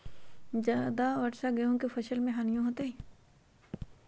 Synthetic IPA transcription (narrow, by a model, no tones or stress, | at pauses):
d͡ʒad̪aɐʈsaɡɐjõkefʰɐʃəlmẽɦaːnijõɦoːt̪eɦɛ